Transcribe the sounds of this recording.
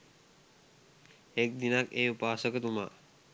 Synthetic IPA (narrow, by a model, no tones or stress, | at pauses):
ek̚d̪inakeːupaːsəkət̪uma̰